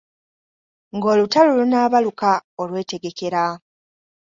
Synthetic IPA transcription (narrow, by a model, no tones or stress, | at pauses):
ŋɡo̞ːlutalulunaːβalukaolwe̞ːte̞ɡe̞ke̞ɾa